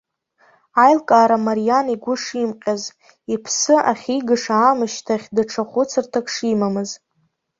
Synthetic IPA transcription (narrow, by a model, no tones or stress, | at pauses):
ajlkʼaːɾamaɾijaniɡʷʊʂimqʲʼaz | ipʰsɨʔaχʲiɡɨʂaːmɨʃtʰaχʲdaʈ͡ʂʰaχʷʊt͡sʰɨrtʰakʰʼʂimamɨz